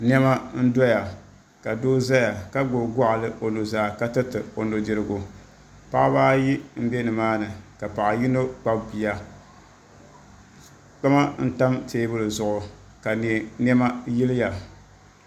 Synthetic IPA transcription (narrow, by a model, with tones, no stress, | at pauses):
nɛ˦ma˦n̩˦dɔ˦ja˨ | ka˨doː˦za˦ja˨ka˦ɡ͡bo˨ɡɔ˦ʔa˨lɨ˦ʔo˨no˨zaː˨ka˦tɨ˦tɨ˨o˨no˨di˨ɾɨ˨ɡʊ˨ | pa˦ʔa˦baː˦ji˦m̩˦be˦nɨ˨maː˦nɨ˨ka˨pa˨ʔa˨ji˦no˦k͡pa˦bbi˨ja˨ | k͡pa˦ma˦n̩˦ta˦mteː˦bɨ˦lɨ˨zʊ˨ʔʊ˨ | ka˨nɛ˨nɛ˦ma˦ji˦lɪ˦ja˨